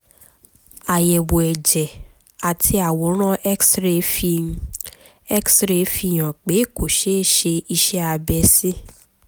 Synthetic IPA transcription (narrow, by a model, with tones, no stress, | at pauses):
a˨jɛ˨wo˨ɛ˨d͡ʒɛ˨ | a˨tʰi˧a˨wo˨˦ɾ̃ã˦ʔksɾe˧fi˧ | ɛ˦ksɾe˧fi˧˨j̃ã˨k͡pe˨˦˨ko˨ʃe˦ʃe˧i˧ʃɛ˦a˧bɛ˧sĩ˦